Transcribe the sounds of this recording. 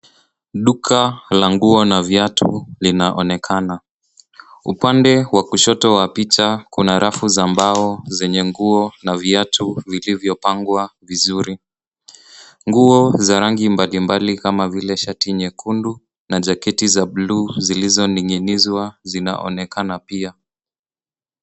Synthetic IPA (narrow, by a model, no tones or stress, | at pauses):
ɗukʰalaŋɡuɔnavjatʰṵlinaʔɔnɛkʰana | ṵpandɛwakuʃɔtɔwapit͡ʃakunaɾʔafuzambaɔzɛɲɛŋɡuɔnavjiatʰuvilivjɔpaŋɡwavizuɾi | ŋɡuɔzaɾaŋɡimbalimbalikamavilɛʃatiɲɛkʰundu | naʄakɛtizabluːzilizɔniŋinizwazina̰ʔɔ̰nɛkanapia